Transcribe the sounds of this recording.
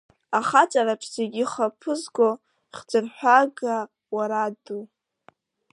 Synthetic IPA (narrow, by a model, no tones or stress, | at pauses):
aχat͡sʼaɾaʈ͡ʂʼʰz̥eɡʲiχapʰɨzɡʷo | χd͡zɨrħʷᶣaɡa | waɾadu